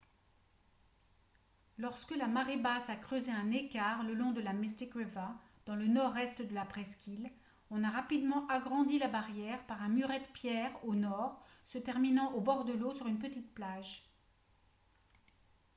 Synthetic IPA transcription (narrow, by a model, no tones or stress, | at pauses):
lɔʁskəlamaʁebasakχøzeɛ̃nekaʁləlɔ̃d̪əlamist̪ikʁeva | d̪̥ɑ̃lənɔʁɛst̪d̪əlapχɛskʲil | ɔ̃naʁapid̪mɑ̃ʔaɡʁɑ̃d̪ilabaʁjɛʁpaʁɛ̃myʁɛt̪pjɛʁonɔʁsət̪ɛʁminɑ̃ʔobɔʁd̪əlosyʁynpət̪it̪̚plaʒ